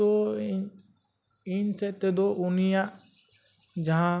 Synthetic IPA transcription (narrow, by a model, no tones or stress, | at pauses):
ɔ | iɲsɛʔt̪ɛd̪ɔʔunijaʔ | d͡ʒaɦã